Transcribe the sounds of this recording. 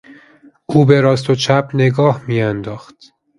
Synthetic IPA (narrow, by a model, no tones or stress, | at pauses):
ʔuːbe̞ɾɒːst̪ʰot͡ʃʰæpʰne̞ɡɒːhmiːjænd̪ɒːxt̪